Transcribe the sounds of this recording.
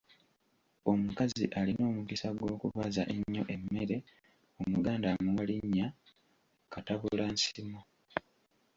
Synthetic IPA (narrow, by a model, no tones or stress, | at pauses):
o̞mukazḭʔalino̞ːmukisaɡwo̞ːkuβazaʔeɲːo̞ʔe̞mːe̞ɾe̞ | o̞muɡaːndamuwaliɲːa | kataβuulansimo